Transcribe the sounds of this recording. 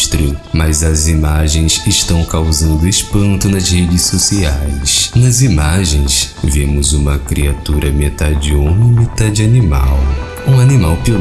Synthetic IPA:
st̪ɾiʊmɐzɐzimaʒẽj̃sɪʃt̪ɐ̃w̃kawzɐ̃nd̪ʊespɐ̃nt̪ʊnɐzhed͡ʒɪsosiajsnɐzimaʒẽj̃s | vẽmʊzũmɐkɾiat̪uɾɐmet̪ad͡ʒiõnmit̪ad͡ʒɪanima̰w | ũanimawpio

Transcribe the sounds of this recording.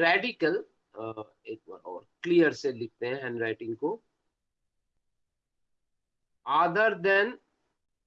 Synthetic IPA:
ɾɛːɖɪkəl | eːk̚ɔ̰ːɾkliːjəɾselɪk̚ʰt̪eɦɛ̃ɦɛ̃ːnɾaɪʈɪ̃ŋɡko | aːd̪əɾd̪ɛ̃n

